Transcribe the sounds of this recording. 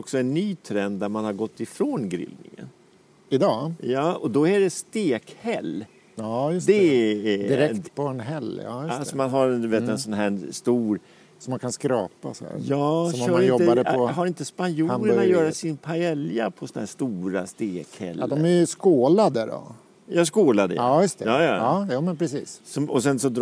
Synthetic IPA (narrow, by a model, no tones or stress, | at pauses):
ɔksɔɛnːyːt̪ʰɾɛnd̪d̪æɾmanhaɾɡɔt̪ːɪfɾoːnɡɾɪ̰lnɪ̰ŋə̰n | ɪd̪ɑːjɑːɔd̪ɔæɖɛst̪eːkhɛlː | ɑːjsd̪ɛd̪ɪɾɛpʰɔɛnɦɛlːɑ̰jaasɔɔmanɦaɾɛnd̪veːt̪ɛnsɔnɦæːst̪uːɾ | sɔmːankʰanskɾɑ̰ːpa̰sɔ̰æ̰jɑːɔmœːaɾɪjɔt̪əbad̪əɦaɾɪnt̪əspanjuːləɳajœːɾasɪnpʰaɛljapʰɔsɔnahæːʂt̪uːɾa̰st̪eːkhɛ̰lːd̪ɔmæjskoːlad̪ədɔ̰ | jɑskoːlad̪ə̰jɵst̪ʰjɑːjɑ̰ːɑːjuːmɛnpʰɾɛsḭːssɔmɔsɛnsɔd̪